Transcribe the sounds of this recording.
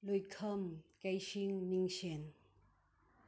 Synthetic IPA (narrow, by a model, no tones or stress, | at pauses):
lujkʰɐmkɐjsiŋniŋsen